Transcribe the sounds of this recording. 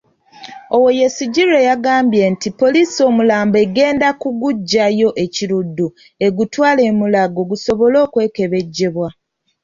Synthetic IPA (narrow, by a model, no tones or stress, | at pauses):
o̞wo̞je̞siɟiɾe̞jaɡaːmbje̞ntipo̞liːso̞ːmulaːmbe̞ɡe̞ːndakuɡuɟːajo̞ʔe̞ciɾudːu | e̞ɡutwaːle̞ːmulaɡo̞ɡuso̞βo̞lo̞ːkwe̞ːke̞βe̞ɟːe̞βwa